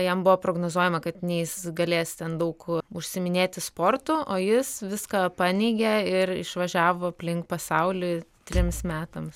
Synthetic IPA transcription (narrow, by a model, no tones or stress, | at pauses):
jɛmbʊʋopɾoːɡnoːzuɔjɛmɐkɐt̪nʲɛjɪsɡɐlʲeːst̪ʲɛnd̪ɐʊkʊʃʲsʲɪmʲɪnʲeːt̪ʲɪspoːrt̪ʊʔoːjɪsʋʲɪskɑpɑːnʲeɪɡʲɛɪɾɪ̰ʃʋɐʒʲæːʋoːɐpʲlʲɪŋk̚pɐsɐʊlʲɪt̪ʲɾʲɪmsmʲæːt̪ɐms